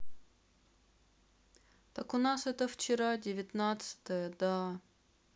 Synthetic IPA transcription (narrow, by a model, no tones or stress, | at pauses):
t̪akʊnasɛt̪əft͡ɕɪɾadʲɪvʲɪt̪nat̪sɨ̥t̪əjəd̪a